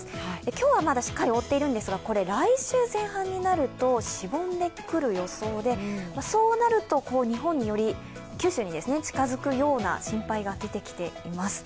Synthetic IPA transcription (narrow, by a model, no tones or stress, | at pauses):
ekʲo̞ːβamad̪aɕi̥kːaɾʲio̞t̪ːe̞iɾɯ̟̃nd̪e̞sɨɡako̞ɾe̞ɾaiɕɨːzẽ̞ɰ̃hãɲ̟ːinaɾɯ̟t̪o̞ɕibõ̞nd̪e̞kɯ̟ɾɯ̟jo̞so̞ːd̪e̞maso̞ːnaɾɯ̟t̪o̞ko̞ːɲ̟iɦõ̞ɲ̟ːijo̞ɾʲi | kʲɨːɕɨːɲid̪e̞sɨne̞t͡ɕi̥kazɨkɯ̟jo̞ːna̰ɕĩmpaiɡad̪e̞t̪e̞kʲi̥t̪e̞imasɨ̥